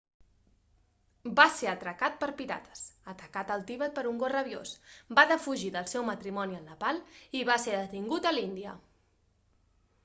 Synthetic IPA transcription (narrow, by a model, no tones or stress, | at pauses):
baseɾət̪ɾəkat̪̚pəɾpiɾa̰t̪ʰə̥sət̪əkat̪əlˠt̪iβət̪̚pəɾuŋɡorəβjo̰sbaðəfuʒiðəlˠsɛwmət̪ɾimɔniənləpalˠiβaseðət̪iŋɡut̪əlind̪iə̰